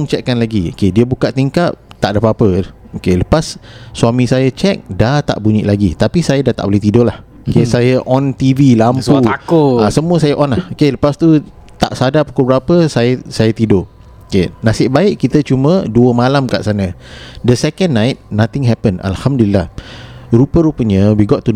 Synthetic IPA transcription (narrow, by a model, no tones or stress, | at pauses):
ŋt͡ʃɛkːanlaɡio̰kediəbukaʔt̪iŋkap̚t̪aʔdəpapə | okeləpasːwamĩsajət͡ʃɛk̚dat̪a̰ʔbuɲḭʔlaɡit̪apisajadat̪a̰ʔboleht̪idolah | okesajəʔɔnt̪ivilampsut̪akoasəmuəsajaʔɔnlahokeləpast̪u | t̪a̰ʔsadapu̥kʊbəɾapəsajəsajat̪ido | okenãsɪʔbaɪʔkit̪ət͡ʃumə̃duəmalamka̰ʔsanə̃dəsɛkənːãjt̪̚nat̪ɪŋɦɛpəna̰lhamdulilːahɾupəɾupəɲə̃wiɡɔt̪ːu